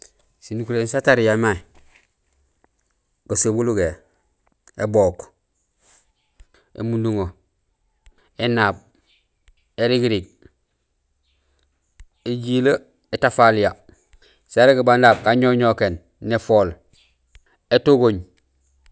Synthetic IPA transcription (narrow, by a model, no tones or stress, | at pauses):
sinukulensataɾijamai | ɡosobuluɡe | eboːk | ḛmunduŋo | enab̚ | eɾiɡiɾiɡ̚ | eɟila | etafalija | saɾeɡibandaːb̚kaɲoɲokenː | efoːl | etoɡoɲ